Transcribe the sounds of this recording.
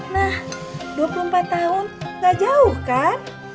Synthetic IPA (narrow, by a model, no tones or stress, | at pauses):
nahduapulumpat̪ːaɦʊnɡad͡ʒaʊhkan